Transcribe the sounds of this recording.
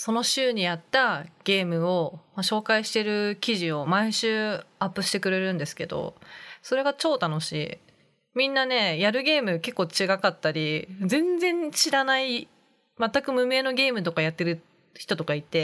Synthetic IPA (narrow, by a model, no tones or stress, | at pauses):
so̞no̞ɕɨːɲ̟ijat̪ːaɡ̥e̞ːmɯ̟o̞maɕo̞ːkaiɕi̥t̪e̞ɾɯ̟kʲiʑio̞maiɕɨːapːɯ̟ɕi̥t̪e̞kɯ̟ɾe̞ɾɯ̟̃nd̪e̞sɨ̥ke̞d̪o̞̰so̞ɾe̞ɡat͡ɕo̞ːt̪ano̞ɕḭ | mʲĩnːane̞jaɾɯ̟ɡʲe̞ːmɯ̟ke̞kːo̞ːt͡ɕiɡakat̪ːaɾʲid͡zẽ̞nd͡zẽ̞nɕiɾanai | mat̪ːakɯ̟mɯ̟me̞ːno̞ɡʲe̞ːmɯ̟t̪o̞kajat̪ːe̞ɾɯ̟ | çi̥t̪o̞t̪o̞kait̪e̞